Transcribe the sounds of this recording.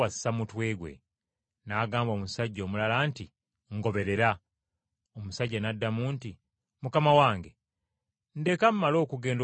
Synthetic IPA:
wasi̥samutwe̞ːɡwe̞̰ | naːɡaːmbo̞ːmusaɟːo̞ːmulalaːnti | ŋɡo̞βe̞ɾe̞ɾa | omusaɟːanadːamuːnti | mukamawaːŋɡe | nde̞kammalo̞ːkuɡe̞ːnd

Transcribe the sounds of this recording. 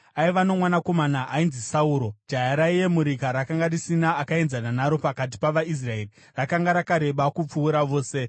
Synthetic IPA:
aiʋano̞mwanako̞manaʔainzisauːɾo̞d͡ʒajaɾaije̞muɾikaɾakaŋɡarisinaːkae̞nzananaɾo̞pakat̬i̥paʋais̬rae̞ri | rakaŋɡaɾakaɾe̞ɓakup͡fuːɾaʋo̞ːse̞

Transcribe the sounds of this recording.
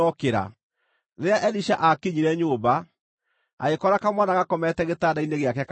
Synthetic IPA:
ɔkeɾa̰ | ðeaʔɛliʃaʔakeɲiɾɛɲoːba | a̰ɣekɔɾakamwanaɣakɔmɛtɛɣetaːdaineɣeakɛk

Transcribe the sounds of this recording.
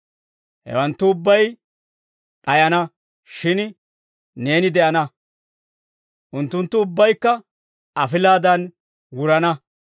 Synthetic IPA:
hɛ̰wɐnt̪ːʊːbːɐj | ɗɐjɐnɐ | ʃɪn | ne̞ːnɪd̪ɛʔɐnɐ | ʔʊnt̪ːʊnt̪ːʊʊbːɐjkːɐ | ɐfɪlaːd̪ɐn | wʊɾɐnɐ

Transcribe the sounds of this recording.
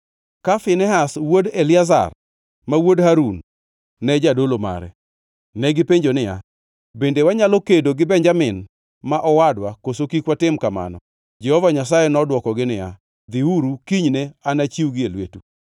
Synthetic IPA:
kafɪnɛɦaswodelɪaza̰r | mawodhaɾunː | ɛd͡ʒadoloma̰ɾɛ̰ | nɛɡɪpeɲd͡ʒonɪja̰ | bendewaɲalɔkedoɡɪbɛnd͡ʒamɪn | maʔɔwadwakosokikwatɪmkama̰nɔ̰ | d͡ʒɛhɔvaɲas̬ajɛnɔdwɔkɔɡɪnɪja̰ | d̪iuɾukiɲneanat͡ʃiwɡɪelwḛtu

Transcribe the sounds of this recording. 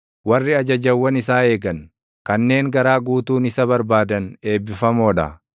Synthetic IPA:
wɐrːɪɐd͡ʒɐd͡ʒɐwːɐnɪsaːe̞ːɡɐn | kɐnːe̞ːŋɡɐɾaːɡuːt̪uːnɪsɐbɐɾbaːd̪ɐne̞ːbːɪfɐmoːᶑɐ̰

